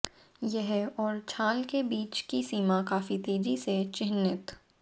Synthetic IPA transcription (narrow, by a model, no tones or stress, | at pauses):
jɛɦɛɔːɾt͡ʃʰaːlkebiːt͡ʃkisiːmakaːfit̪eːd͡ʒiset͡ʃɪnːɪt̪